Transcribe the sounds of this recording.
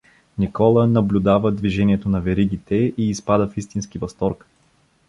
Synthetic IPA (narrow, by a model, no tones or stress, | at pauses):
nikɔlˠənɐblʲud̪avəd̪viʒɛniɛt̪onɐvɛɾiɡit̪ɛiːspad̪əfist̪inskivɐst̪ɔɾk